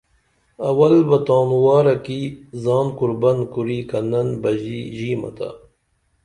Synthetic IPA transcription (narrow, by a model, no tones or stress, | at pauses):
ɐwɐlbɐt̪aːnwɑːɾɐkizɑːmkuɾbɐnkuɾiːkɐnɐnbɐʑiʑiːmɐ̰t̪ʰa̰